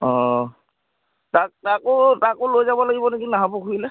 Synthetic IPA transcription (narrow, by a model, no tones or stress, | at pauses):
ɔ | tak̚takʊtakʊlojzabɔlaɡibɔnekinaɦapʊkʰuilɛ